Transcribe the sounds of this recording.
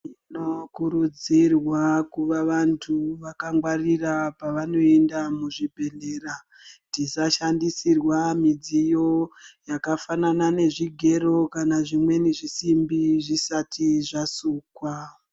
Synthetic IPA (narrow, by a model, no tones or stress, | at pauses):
inokuɾud͡zirwakuʋaʋantʰuʋakaŋɡwarirapaʋano̞endamuʐibʱe̞ɮe̞ːra | tisaʃandisirwamid͡zijo̞jakafananane̞ʐiɡʱe̞ɾo̞kanaʐimwe̞niʐisimbiʐisatʰiʐasuːkwa